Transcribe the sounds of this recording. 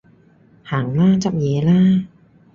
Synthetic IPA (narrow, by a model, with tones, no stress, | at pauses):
haː˩˦ŋlaː˥˩t͡ɕa˨˧p̚jɛː˨˦laː˥˩